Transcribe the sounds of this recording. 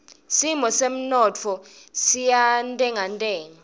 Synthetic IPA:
simɔsem̩nɔt͡fʰɔsijantʼɛŋʱantʼɛːŋa

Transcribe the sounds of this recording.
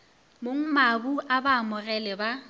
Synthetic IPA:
moŋ̩mabuʔabaːmʊrɛlɛba

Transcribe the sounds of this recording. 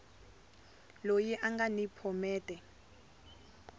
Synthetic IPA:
lojɛʔaŋɡanipʰɔmɛːtʼɛ

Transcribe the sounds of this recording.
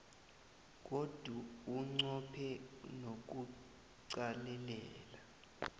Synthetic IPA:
k̬od̥ʱuːŋ͡ǀɔpʰɛnok̬u | ǀalɛlɛːla

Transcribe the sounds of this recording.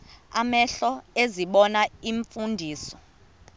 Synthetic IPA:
amɛɬɔeziɓɔnaiɱfundʱiːsɔ

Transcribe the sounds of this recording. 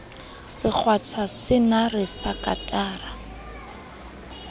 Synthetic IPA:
sɪk͡xʰwat͡sʰasɪnarɪsakʼa̰tʼaːra

